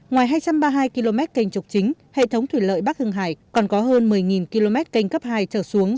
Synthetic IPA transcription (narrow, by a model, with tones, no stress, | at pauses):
ŋwaː˨˩jɦaː˧jt͡ɕa˧mɓaː˧ɦaː˧jki˧lo˧mɛ˦˥t̚ka˨˩jŋ̟t͡ɕʊ˨˩k͡p̚t͡ɕï˨˦ŋ̟ | hḛ˧˨t̪ʰə˨˦wŋ͡mt̪ʰwi˧˩lə̰ː˧˨jɓaː˦˥k̚t̪ʰɨ˧əŋɦa̰ː˧˩jkɔ˨˩nkɔ˨˦ɦəː˧nmɨ˨˩əjŋi˨˩nki˧lo˧mɛ˦˥t̚ka˧˩jŋ̟kə˦˥p̚haː˧jt͡ɕəː˧˩su˨˦əŋ